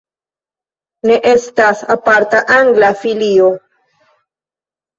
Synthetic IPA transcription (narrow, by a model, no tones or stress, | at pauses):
ne̞ʔe̞stasapaɾtaʔaŋɡlafilio